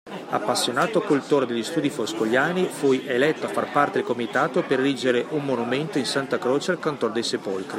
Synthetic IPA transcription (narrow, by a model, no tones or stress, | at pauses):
a̰pːasːjonaːt̪oakult̪oːɾed̪eʎːist̪uːd̪ifoskoʎːaːnifujʔelɛt̪ːoafːarpart̪ed̪elkomit̪aːt̪operːid͡ʒeɾeʔumːonument̪oinsant̪akɾoːt͡ʃealkant̪ord̪ejsepolkɾi